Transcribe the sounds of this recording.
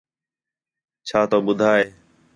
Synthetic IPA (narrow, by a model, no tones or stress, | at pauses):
t͡ʃʰaːt̪oːɓʊd̪ʱaːeː